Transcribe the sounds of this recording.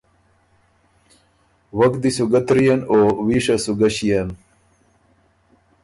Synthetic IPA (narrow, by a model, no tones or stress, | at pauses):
wɐkd̪isuɡɐt̪ɾijɐnowiːʂasuɡɐɕijɐn